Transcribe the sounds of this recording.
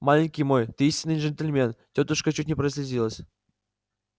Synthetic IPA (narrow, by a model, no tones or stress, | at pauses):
mɑlʲɪnʲkʲijmojt̪ʲisʲɪnɨinʐɘ̆nʲtʲelʲmʲentʲot̪uʂkət͡ɕut̪̚ʲnʲepʲrəsʲlʲezʲilˠəsʲ